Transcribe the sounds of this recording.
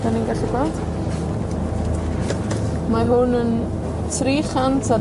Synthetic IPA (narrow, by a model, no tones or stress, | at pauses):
daninɡaɬɛɡwalˠd̥ | maɦʊnən | tʰriːχantʰa